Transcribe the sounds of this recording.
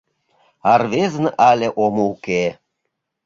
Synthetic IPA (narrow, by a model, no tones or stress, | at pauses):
ɑrβeznʔɑlʲeʔomouke